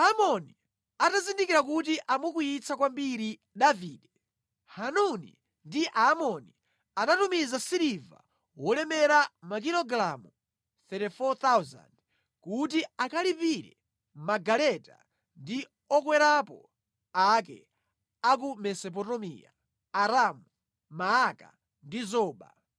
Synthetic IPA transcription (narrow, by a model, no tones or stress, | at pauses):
amɔni | atazindikiɾak̬utiʔamwukujit͡sʰakwambiɾi | ɗaviːɗɛ | hanunḭ | ndiʔamɔni | anatumizasiɾiva̰ | wɔlɛmɛɾamak̬ilɔɡɾamu | θɛtɛfɔt̪awza̰nd | kutiakalipiɾɛ̰ | maɡalɛta̰ | ndi | ɔkwɛɾapɔ̰ | akɛ̰ | ak̬umɛsɔp̬ɔtɔmḭːa̰ | aɾamu | maːka̰ | ndizɔːɓa̰